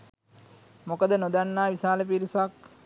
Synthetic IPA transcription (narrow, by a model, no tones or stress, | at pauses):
mokəd̪ənod̪anːaːʋisaːləp̬iɾisak̚